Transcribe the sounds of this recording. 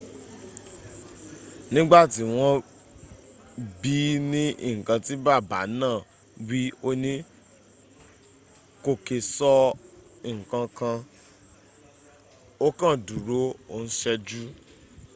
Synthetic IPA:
nĩ˦ɡ͡ba˦˨ti˦w̃ɔ̃˦ | bi˦nĩ˦ḭ˦˨ŋ̩˨kã˧ti˦ba˦˨ba̰˨˦nãː˦˨ | wi˦o˦nĩ˦ | ko˧ke˨sɔ˧ | i˨ŋ̩˨kã˧kã˧ | o˦kã˦˨du˨ɾo˨˦o˦˨n̩˦ʃɛ˦d͡ʒu˦

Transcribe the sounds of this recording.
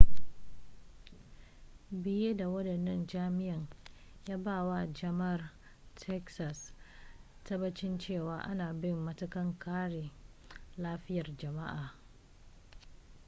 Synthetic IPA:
bɪ˦je˦da˨wɐ˦dɐ˨nːɐ˦nd͡ʒaː˦mɪ˦jɐ˨ɲjaː˦baː˦˨wa˦d͡ʒɐ˨mɐ˦˨r | tʰɛ˦ksa˨s | tɐ˦bɐ˦t͡ʃɪ˦nt͡ʃeː˦˨waː˦ʔa̰˦naː˨bɪ˦mːɐ˦tʊ˦kɐ˦ŋkaː˦ɽe˨ | laː˦ɸɪ˦jɐ˨rd͡ʒɐ˨ma̰˦ʔaː˨

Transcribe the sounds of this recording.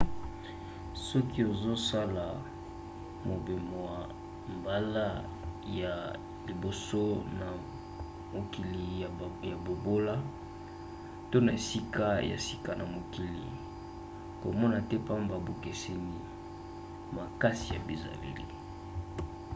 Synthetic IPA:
sɔ˦ki˦o˨zo˦sa˦la˨ | mo˨be˨mwa˨ | mba˦la˦ | ja˨ | li˨bo˨so˦na˨ | mo˨ki˨li˨ja˨bo˨bo˦la˦ | to˦na˨e˨si˦ka˦ja̰˨si̥˦ka˨na˨mo˨ki˨lḭ˨ | ko̰˨mɔ˦na˨tɛ˦pa˦m˨ba˨bo˨ke˨sɛ˨ni˨ | ma˨ka˦si˨ja̰˨bi˨za̰˨lḛ˨lḭ˨

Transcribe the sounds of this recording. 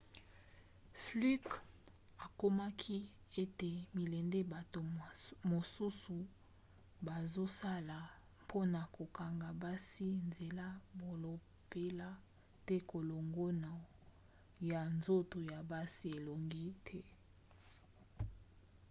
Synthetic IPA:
fly˦k | a˨ko˦ma˦kʰi˦e˦te˨mi˨le˨nde˦ba˨to˨mo˨su˦su˨ | ba˨zo˦sa˦la˨ | mpʰo˦na˨ko˨ka˨ŋɡa˨ba˦si˦nze˨la˦bo˨lo˨ | pe˦la˦ | tɛ˦ko˨lo˨ŋɡo˦na˨ | ja˨nzo˦to˨ja˨ba˦si˦e˨lo˨ŋɡi˦tʰɛ˦

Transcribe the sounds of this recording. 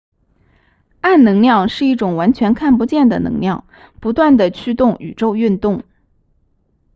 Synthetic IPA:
a˥˩nnɤ˧˥ŋljɑ˥˧ŋʂɻ̩˥˧i˥˩ʈ͡ʂʊ˨˩ŋwa˧˥nt͡ɕʰɥɛ˧˥nkʰa˥˩npu˧˥t͡ɕjɛ˥˩nd̪ə̰˩nɤ̰˧˥ŋljɑ˥˩ʊ | pu˧˥t̪wa˥˩nd̪ə˩t͡ɕʰy˥˧t̪ʊ˥˩ŋy̰˨˩ʈ͡ʂo˥˧ʊy˥˧nt̪ʊ˥˩ŋ

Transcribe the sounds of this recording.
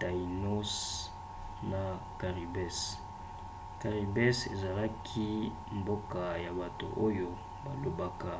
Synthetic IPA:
ta˨i˨no˦s | na˨ | ka˨ʁi˨bɛ˦s | ka˨ʁi˨bɛ˦sḛ˨za˨la˦kʰi˦ | mbo˦ka˨ja˨ba˨to̰˨ʔo˦jo˦ | ba˨lo˨ba˦ka˨

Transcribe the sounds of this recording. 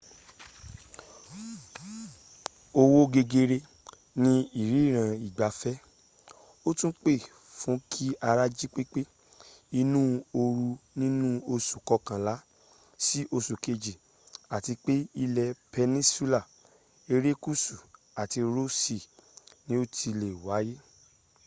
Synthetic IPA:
o˧wo˦ɡe˧ɡe˧ɾe˧ | nĩ˦i˦˨ɾi˨˦˨ɾ̃ã˧˨i˨ɡ͡ba˨fɛ˦ | o˦tũ˦k͡pe˦˨ | fũ˨˦kʰi˦a˧ɾa˦d͡ʒi˦k͡pe˦k͡pe˦ | i˧nũː˦o˧ɾu˧nĩ˦nũ˦o˧su˨kɔ˧kã˨la˨˦ | si˦ʔo˧su˨ke˧d͡ʒi˨ | a˨ti˧k͡pe˦i˧lɛ˧pe˧nĩ˦su˦la˦˨ | e˧ɾe˦ku˦su˨ | a˨ti˧ɾo˦si˧˨nĩ˨˦o˦tʰi˧le˨wa˨˦je˦

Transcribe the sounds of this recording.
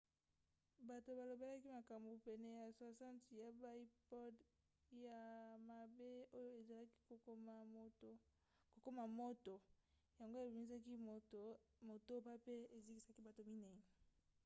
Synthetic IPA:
ba˨to˨ba˨lo˨be˦la˦ki˦ma˨ka˨mbu˨pɛ˨nɛ˨ja˨swa˨sã˦nti˨ja˨ba˦i˦pɔ˦d | ja˨ma˨be˦o˦jo˦e˨za˨la˦ki̥˦o˨˦˨o˦ | ko˨ko˦ma˨mo˦to˨ | ja˨ŋɡo˦e˨bi˨mi˦za˦ki˦˨mo˨to˦pa˦pe˦e˨zi˦ki˨sa˦ki˦ba˨to˨mi˦nɛ˨ne˨

